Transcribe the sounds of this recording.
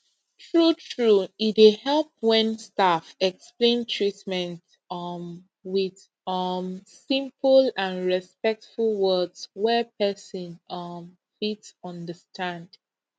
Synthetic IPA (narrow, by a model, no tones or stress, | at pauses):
tʰɹutʰɹuitehɛlˠp̚wɛ̃nstafɛksplẽntʰɹitmɛ̃nt | wið̥ | ʌmsĩmpəlãnɹɛspɛk̚tfulˠwɜdswɛpʰɛsɔ̃nʌm | fitsɔ̃ndəstʰãnd